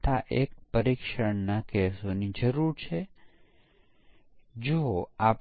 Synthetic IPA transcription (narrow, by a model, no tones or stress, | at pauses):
t̪aʔek̚pəɾikʃəɳnakesonid͡ʒəɾuɾt͡ʃʰe | d͡ʒoap